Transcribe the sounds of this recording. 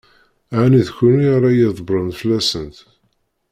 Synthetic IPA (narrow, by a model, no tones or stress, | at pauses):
aniðçuniɾˤɑjiðˤbɾˤənfəlæsənt̪